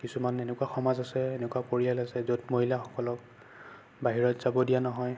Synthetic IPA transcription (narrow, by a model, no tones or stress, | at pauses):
kisumanenɛkuaxɔmazasɛenɛkuwapoɹijalasɛzotmoɦilaxɔ̥kɔlɔk̚ | baɦiɹɔtz̥abɔdijanɔɦɔj